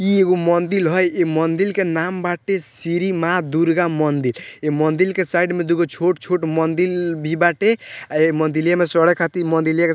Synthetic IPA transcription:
ieɡomɔnd̪ilɦɔjemɔnd̪ilkenambaʈesiɾimad̪uɾɡamɔnd̪ilemɔnd̪ilkesajɖmed̪uɡot͡ʃʰoʈt͡ʃʰoʈmɔnd̪ilbʱibaʈeaemənd̪iljamesɔɽɛkʰat̪imənd̪ilijake

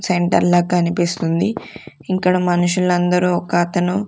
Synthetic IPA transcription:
seɳʈɐ̰ɾlɐːkɐnipist̪und̪i | iŋkːɐɽɐmɐnuʂulɐnd̪ɐɾuːɔkɐːt̪ɐnu

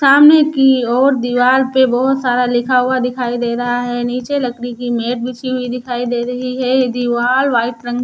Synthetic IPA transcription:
saːmnekiɔːɾd̪ɪʋaːlpebɔɦʊt̪saːɾalɪkʰaɦʊad̪ɪkʰaːid̪eːɾɐɦaɦɛniːt͡ʃelɐknikimeːʈ̚bɪt͡ʃʰiɦbʱid̪ɪkʰaːid̪eːɾɐɦiɦɛd̪iʋaːlʋaːɪʈɾə̃ŋɡ

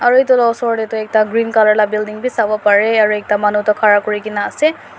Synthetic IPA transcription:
aɹuejt̬ʊlɔsɔɹdɛtʊɛk̚taɡɹinkalɔɹlabildiŋbisabɔpaɹɛaɹuɛk̚tamanutɔkʰaɹakoɹikinaːsɛ

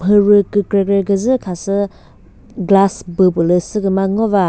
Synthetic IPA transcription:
pʰɯɾɯkɯkɾeɡɾeɡɯzɯkʰasɯ | ɡlasbɯpɯlɯsɯɡɯmaŋɔβa

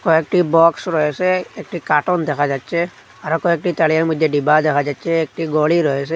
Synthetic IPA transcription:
kɔɛk̚ʈibɔksɹɔjɛsɛek̚ʈikaʈɔnd̪ɛkʰad͡ʒatːsʰɛ | aɾɔkɔɛk̚ʈit̪alijaɹmɔd̪ʱjɛɖibad̪ɛkʰad͡ʒatsʰɛːk̚ʈiɡɔliɾɔɦɛs̬ɛ

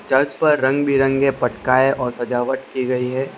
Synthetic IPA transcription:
t͡ʃɐɾt͡ʃpɐɾːɐ̃ŋɡbʱiɾɐ̃ŋɡepɐʈkaːeʔɔːɾsɐd͡ʒaːʋət̪kiɡɐiɦɛː

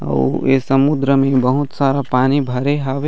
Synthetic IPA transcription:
ɐ̰esɐmʊd̪ɾəmẽbɐɦʊt̪saːɾapaːnibʱɐɾeɦaːʋe

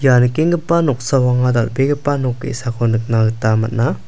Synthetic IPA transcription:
jankeŋɡɯpːanɔk̚sawaŋadatbeɡɯpanɔkːḛsakʰɔnɯk̚naɡɯtama̰t̚na

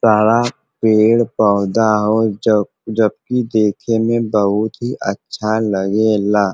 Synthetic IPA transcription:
saːɽa | peːɽpəːʊd̪aɦo | d͡ʒəb̚kid̪eːkʰemẽbəɦʊt̪ɦiʔətːʃʰaləɡelaː

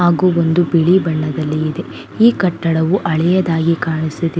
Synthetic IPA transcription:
aːɡuːond̪ubiɭibɐɳːɐd̪ɐlːiːd̪e̞ | iːkɐʈːɐɽɐʋuʔɐɭɛjɐd̪aːɡikaːɳisid̪i

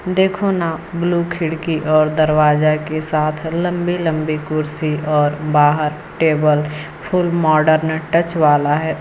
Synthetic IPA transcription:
d̪eːkʰonabluːkʰɪɽkiʔɔːɾd̪əɾwaːd͡ʒakesaːt̪ʰlə̃mbilə̃mbikʊɾsiɔːɾbaːɦəɾ | ʈeːbəl | pʰʊlmɔːɖəɾnʈət͡ʃʋaːlaɦɛː

